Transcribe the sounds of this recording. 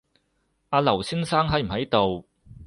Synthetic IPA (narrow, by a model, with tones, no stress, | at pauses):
aː˧lɐ˨˩wsiː˥nsaː˥ŋɦɐ˨˥jm̩˨˩hɐ˨˥jt̪o˨w